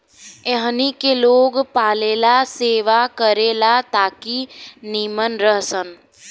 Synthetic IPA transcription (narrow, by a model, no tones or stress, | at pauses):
eɦnikeloːɡpaːleːlaseːʋakəɾeːlat̪aːkiniːmənɾəɦsən